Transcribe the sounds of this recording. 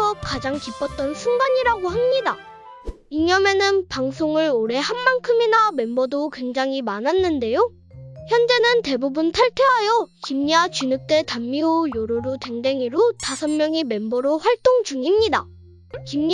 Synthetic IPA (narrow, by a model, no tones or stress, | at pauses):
ʌkad͡ʑaŋkip͈ʌt̚t͈ʌnsʰuŋɡaɲiɾaɡohamɲida | iɲʌme̞nɯnpaŋsʰoŋɯɭoɾe̞hanmankʰɯminame̞mbʌdokwe̞ŋd͡ʑaŋimanɦanːɯnde̞jo | çjʌnd͡ʑe̞nɯnte̞bubuntʰaɭtʰeɦajʌkimɲiwat͡ɕinɯk̚t͈e̞tamːiojoɾoɾote̞ŋde̞ŋiɾotasʰʌnmjʌŋime̞mbʌɾoɸwaɭt͈oŋd͡ʑuŋimɲida | kimɲ